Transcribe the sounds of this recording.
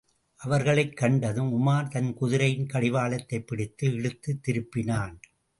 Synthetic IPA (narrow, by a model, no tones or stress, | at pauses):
ʔɐʋɐɾɣɐɭɐɪkːɐɳɖɐðɯmʊmaːɾt̪ɐnkʊðɪɾɐjɪnkɐɽɪʋaːlɐt̪ːɐɪpːɪɽɪt̪ːɯɛɻɯt̪ːɯt̪ːɪɾɯpːɪnaːn